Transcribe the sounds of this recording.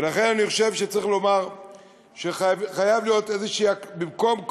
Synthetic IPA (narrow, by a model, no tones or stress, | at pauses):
velaχe̞nanioʃe̞vʃet͡saʁiχlo̞maʁ | ʃeχajavlijo̞t̪e̞zeʃiːakbimko̞mk